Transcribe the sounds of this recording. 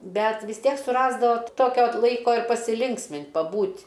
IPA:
ˈbʲɛt ʋʲɪs ˈtʲiɛk sʊˈrɑːzdɐʋoː ˈtoːkʲoː ˈlˠɐɪkoː ɪr pɐsʲɪˈlʲɪŋksʲmʲɪnʲtʲ pɐˈbuːtʲ

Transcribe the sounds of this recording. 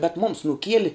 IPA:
bʲɛt mʊms nʊˈkʲiɛlʲɪ

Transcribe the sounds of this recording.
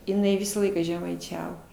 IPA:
jɪˈnɐɪ ˈʋʲɪsɑː ˈlˠɐɪkɑː ʒʲɛmɐɪˈt͡ʃʲæːʋoː

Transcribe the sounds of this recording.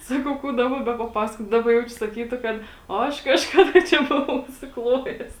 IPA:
ˈsɑːkɐʊ ˈkuː ˈdɑːbɐ bʲɛpɐˈpɑːsɐkoːt ˈdɑːbɐ ˈjɛʊt͡ʃʲʊ sɐˈkʲiːtʊ ˈkɐt oː ˈɐʃ kɐʃˈkɑːdɐ ˈt͡ʃʲɛ ˈbʊʋɐʊ ʊʃʲsʲɪˈklˠoːjɛs

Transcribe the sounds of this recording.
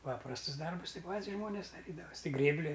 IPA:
ˈpɑːprɐstʊs ˈdɐrbʊs ˈtʲɪ ˈpɐtʲs ˈʒmoːnʲeːs stɐˈtʲiːdɐʋɐsʲ tʲɪ ˈɡrʲeːbʲlʲɪ

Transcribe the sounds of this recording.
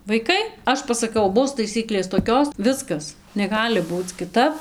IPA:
ʋɐɪˈkɐɪ ˈɐʃ pɐsɐˈkɐʊ ˈbʊs tɐɪˈsʲiːklʲeːs toːˈkʲoːs ˈʋʲɪskɐs nʲɛˈɡɑːlʲɪ ˈbuːt͡s kʲɪˈtɐp

